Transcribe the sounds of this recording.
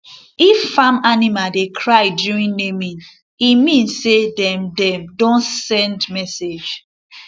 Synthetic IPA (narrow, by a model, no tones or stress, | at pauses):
iffamanimaldekʰɹaɪdjuɹĩnnemĩn | imĩnsːedɛ̃mdɛ̃mdõnsɛ̃ndmɛsed͡ʒ